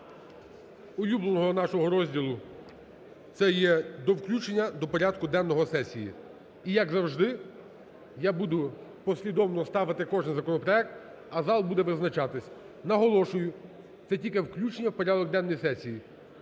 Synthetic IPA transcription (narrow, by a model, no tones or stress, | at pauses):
ʊjublˠɔnɔɦɔnɑʃɔɦɔɾɔzʲdʲilˠʊ | t̪sɛjɛd̪ɔwklʲut͡ʃenʲːɐd̪ɔpɔɾʲad̪kʊd̪ɛnːɔɦɔsɛsʲijḭ | ijɐɡzɐwʒd̪ɪ | jabud̪ʊpɔsʲlʲid̪ɔwnɔst̪ɑʋɪt̪ɪkɔʒnnzɐkɔnɔpɾɔɛk̚t̪ | ɐzɑlˠbud̪ɛʋɪznɐt͡ʃɑt̪ɪsʲ | nɐɦɔlˠɔʃʊjʊ | t̪sɛtʲilʲkɪwklʲut͡ʃenʲːɐwpɔɾʲad̪ɔɡ̚d̪ɛnːɔjsɛsʲiji